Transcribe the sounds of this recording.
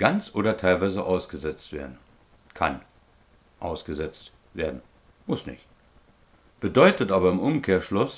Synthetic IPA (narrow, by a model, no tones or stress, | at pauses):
ɡ̥ant͡sʔoːɾɐtʰaɪlvaɪzəʔaʊsɡ̥əzɛt͡stv̥ḛɐdn̩ | kʰa̰n | ʔa̰ʊsɡ̥əzɛt͡st | veːɐdn̩ | mʊsnɪ̰çt | b̥ədɔʏtətʔaːbɐɪmʔʊmkʰeːɐʃlʊs